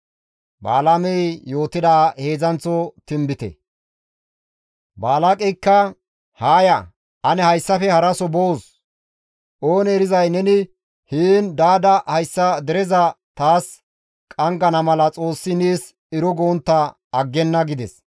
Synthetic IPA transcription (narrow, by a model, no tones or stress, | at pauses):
ba̰ːlamɛjjo̞ːt̪ɪd̪aːhe̞ːzɐnt͡sɔt̪ɪmbɪt̪ɛ̰ | baːlakʼɛkːɐ | haːjɐ | ʔɐnɛhɐjsːɐfɛhɐɾɐsɔbows | ʔo̞ːnɛɾɪzɐjnɛnɪ | hiːnd̪aːd̪ɐhɐjsːɐd̪ɛɾɛzɐt̪aːs | kʼɐŋɡɐnɐmɐlɐt͡sʼo̞ːsːɪniːs | ɪɾɔɡoːnt̪ːɐ | ɐɡːɛnːɐɡɪd̪ɛs